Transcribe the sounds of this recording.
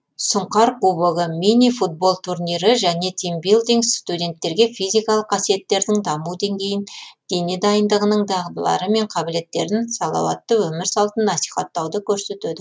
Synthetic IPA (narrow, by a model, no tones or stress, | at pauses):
sʊɴqɑɾqubəʁəminifut̪̚bo̞lˠt̪ʰurnʲijɾəʒæne̞t̪ʰimbilˠd̪iŋsst̪ud̪ʲe̞nt̪ːe̞ɾɡʲe̞fijzijkɑlˠəqʰːɑsije̞t̪ːe̞ɾd̪ɪŋd̪ɑmud̪e̞ŋɡʲe̞jɪnd̪̥e̞ne̞d̪ɑjənd̪əʁənəɴd̪ɑʁəd̪əlˠɑ̰ɾəme̞ɴqʰɑbɪle̞t̪ːe̞ɾɪnsɑlˠɑ̰wɑ̰t̪ːəwɵmɪɾsɑlˠt̪ənːɑsi̥jχɑt̪ːɑwd̪əkʲʰɵɾse̞t̪yd̪ɪ